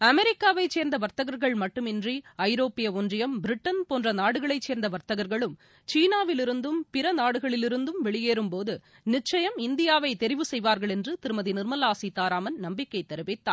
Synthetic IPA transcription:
ɐmɛɾɪkːaːʋɐɪt͡ʃːeːɾnd̪ɐʋɐɾt̪ːɐɣɐɾɣɐɭmɐʈːɯmɪndriɐɪɾoːpːɪjɐɔndrɪjɐmbɪɾɪʈːɐnpoːndrɐnaːɽɯɣɐɭɐɪt͡ʃːeːɾnd̪ɐʋɐɾt̪ɐɣɐɾɣɐɭɯm | t͡ʃiːnaːʋɪlɪɾɯnd̪ɯmpɪɾɐnaːɽɯɣɐɭɪlɪɾɯnd̪ɯmʋɛɭɪjeːɾɯmpoːðɯ | nɪt͡ʃːɐjɐmɪnd̪ɪjaːʋɐɪt̪ɛɾɪʋɯsɛjʋaːɾɣɐɭɛndrɯt̪ɪɾɯmɐðinɪɾmɐlaːsit̪ːaːɾaːmɐnnɐmbɪkːɐɪt̪ːɛɾɯʋɪt̪ːaː

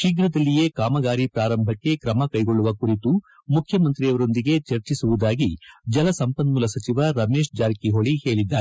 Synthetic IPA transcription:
ʃiɡɾɐd̪ɐlːije̞kaːmɐɡaːɾipɾaːɾɐmbʱɐkːe̞kɾɐmɐkɐjɡo̞ɭːuʋɐkuɾit̪u | mukʰjɐmɐnt̪ɾijɐʋɐɾo̞nd̪iɡe̞t͡ʃɐɾt͡ʃisuʋud̪aːɡid͡ʒɐlɐsɐmpɐnmulɐsɐt͡ʃiʋɐɾɐme̞ːʃd͡ʒaːɾkiɦoɭihe̞ːɭid̪ːaːɾe

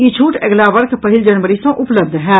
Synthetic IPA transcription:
it͡ʃʰuːʈəɡlaʋəɾkʰpəɦɪld͡ʒɐnʋəɾisɐ̃ʔʊpləbd̪ʱɦɛː

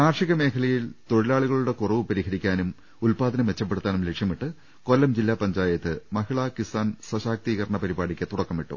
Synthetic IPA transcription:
naːrʂiɣɐme̞ːkʰɐlɐjilt̪o̞ɻilaːɭiɣɐɭuɽe̞kurɐʋɨpɐɾiɦɐɾikʲːaːnum | ulpaːd̪ɐnɐmʋe̞t͡ɕːɐp̬ːeɽut̪ːaːnumle̞kʂjɐmiʈːɨ | kolːɐmd͡ʑilːaːpɐɲd͡ʑaːjɐt̪ːɨmɐɦiɭakisaːnsɐɕaːk̚t̪iːɣɐɾɐɳɐpɐɾibaːɽikʲːɨt̪uɽɐkːɐmiʈːṵ

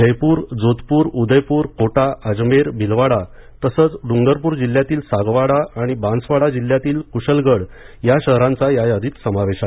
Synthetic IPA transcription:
əjpuːɾd͡zot̪puːɾud̪əjpuːɾkʰoʈaʔəd͡zmeɾbʱilʋaɽa | t̪əsəːt͡sɖuŋɡəɾpuːɾd͡ʑiljat̪iːlsaɡʋaɽaaɽ̃ibãnsʋaɽad͡ʑilːjat̪iːlkuɕəlɡəɽjaɕəɦɾãnt͡sajajad̪ʱiːt̪səmaʋeɕa

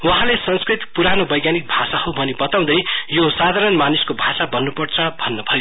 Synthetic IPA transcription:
wʌɦãlesʌnskrit̪puɾanobʌjɡjanik̚bʱasahobʱʌnibʌt̪aw̃d̪ʌjjosad̪ʱaɾʌnmaniskobʱasabʌnːupʌrt͡sʰʌbʱʌnːʌbʱʌjo

